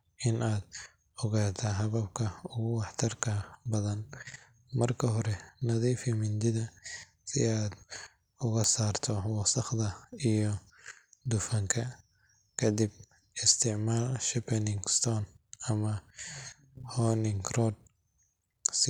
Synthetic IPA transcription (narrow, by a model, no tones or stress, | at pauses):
ʔɪnʔaːd̪ | ɔɣaːt̪ʰɐɦɐβɐb̚kʰɐʊɣʊwɑħt̪ʰɐrkʰɐbɐðɐn | mɐrkʰɐɦɔɾɛnɐðiːfɪmɪnd̪ɪðɐ | sɪ̰aːd̪ | ʊɣɐsaːrt̪ʰɔwɑsɐχd̪ɐijɔ | d̪ʊfɐŋkʰɐ | kʰɐd̪ib̚ | ɪst̪ʰɪʕmaːlʃɐpʰɛnɪŋɡst̪ʰɔnɐmɐ | hɔnɪŋɡrɔd̪̚ | s